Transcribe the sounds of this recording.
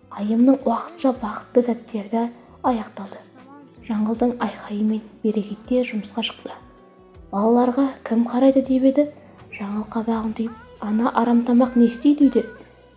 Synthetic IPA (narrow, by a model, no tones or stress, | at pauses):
ɑjəmnəɴwɑqə̥t̪ʃɑbɑqə̥t̪ːəzæt̪ːe̞ɾd̪ɪ | ɑjɑqt̪ɑlˠd̪ə | ʒ̥ɑɴʁəlzˠd̪əɴɑjqɑjəme̞nb̥e̞ɾe̞kʲe̞t̪ːe̞ʒʊməsqɑʃə̥qt̪ə | b̥ɑlˠɑlˠɑɾʁɑkʲʰɪmqʰɑɾɑjd̪əd̪e̞be̞d̪ɪ | ʒ̥ɑɴəlˠəqːɑbɑʁənt̪əjp̚ɑnɑʔɑɾɑmt̪ɑmɑqne̞st̪ejd̪ejd̪e